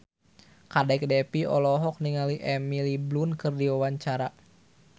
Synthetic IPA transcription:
kadɛk̚dɛpiɔ̰lɔɦɔk̚niŋaliʔɛmiliblunkɨrdiwawaɲt͡ʃaɾa

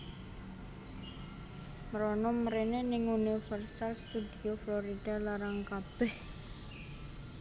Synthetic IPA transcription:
məɾɔnɔməɾenenɪŋunifərsalst̪ud̪iofloɾid̪̥a̤laɾaŋkab̥ɛh

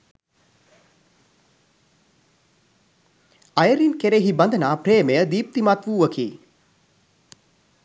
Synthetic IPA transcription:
ajəɾinkeɾeɦibɐnd̪ənaːpreːmejəd̪iːp̚t̪imat̪ʋuːʋəkʰḭː

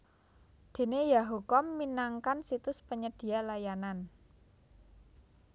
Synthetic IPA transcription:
d̪̥e̤nejaɦukɔmːinaŋkansit̪ʊspəɲəd̪̥i̤alajanan

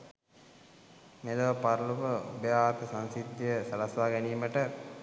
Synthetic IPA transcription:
meləʋəpaɾluʋəubejaːt̪əsansid̪ːijəsɐlasʋaːɡæniːməʈə

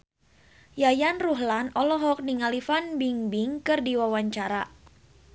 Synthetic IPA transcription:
jajanruɦlanɔlɔɦɔk̚niŋalifanbiŋbiŋkɨrdiwawaɲt͡ʃaɾa

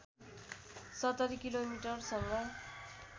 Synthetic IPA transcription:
sʌt̪ːʌɾikilomiʈʌrsʌŋɡʌ

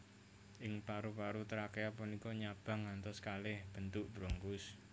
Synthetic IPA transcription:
ʔɪŋpaɾupaɾut̪əɾakeapunikɔɲab̥a̤ŋːant̪ɔskalɛhb̥ənt̪ʊʔb̥ɾoŋkʊs

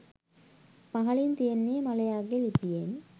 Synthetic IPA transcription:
pɐɦɐlint̪ijenːimɐlɐjaːɡelipijen

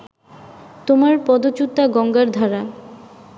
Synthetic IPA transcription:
t̪omaɾpɔd̪ot͡ɕut̪ːaɡɔŋɡaɾd̪ʱaɾa

